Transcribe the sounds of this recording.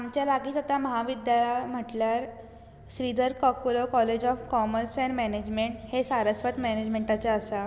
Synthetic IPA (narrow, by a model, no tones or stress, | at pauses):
amt͡ɕjalaɡiːsət̪aməɦaʋid̪jalam̤əʈljaɾ | ɕɾid̪ʱəɾkɔkolokɔled͡ʑɔfkɔməɾsɛnmæned͡ʑmeɳʈhesaɾəsʋət̪mɛned͡ʑmeɳʈat͡saəsa